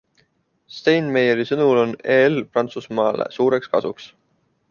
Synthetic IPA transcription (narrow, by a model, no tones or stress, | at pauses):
st̪ejnmejeɾisɤnulo̞neːelprɑnt̪susmɑːlḛsuːɾe̞kskɑ̰suks